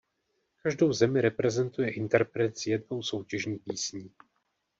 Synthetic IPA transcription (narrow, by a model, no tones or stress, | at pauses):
kaʒdowzɛmɪɾɛpɾɛzɛnt̪ujɛʔɪnt̪ɛɾpɾɛt̪sjɛd̚no̞wso̞wcɛʒɲiːpiːsɲiː